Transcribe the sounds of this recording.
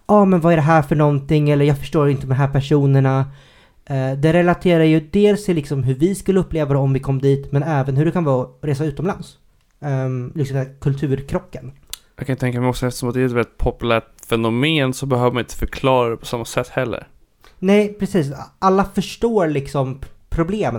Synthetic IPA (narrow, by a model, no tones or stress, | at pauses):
ɑːmɛnvaæɖɛɦæːɾfœɳɔnt̪ɪŋːɛlːəɾjɑːɡfœ̥ʂʈoːɾɪnt̪əd̪d̪ɔmɦæːɾpʰæʂuːnəɳa | d̪ɛɾɛlat̪ʰeːɾajɵd̪eːlst̪ʰɪlːɪksɔmɦɵɾvɪskɵlːəɵpːleːvad̪ɛɔmvɪkʰɔmːd̪iːt̪mɛnɛːvənɦɵɖɛkʰanvɑːɔɾeːsaʉ̟ːt̪ɔmlans | lɪksɔmd̪ːkʰɵlt̪ʰʉ̟ːɾkʰɾɔkːənjɑkʰanɪt̪t̪ʰɛŋkamɛɪjɔksɔɛft̪ə̥sʂɔmat̪d̪ɛːɾɛt̪vɛlɪt̪̚pʰɔpɵlæːʈfɛnʊmeːnsɔbɛhøːvəɾmanɪnt̪ə̥fœɾkʰlɑːɾadɛpʰɔ̥samːasɛt̪ːhɛlːə̰ɾ | nɛɪpʰɾɛsiːsʔalːafœʂʈoːɾlɪksɔmpʰɾʊbleːmə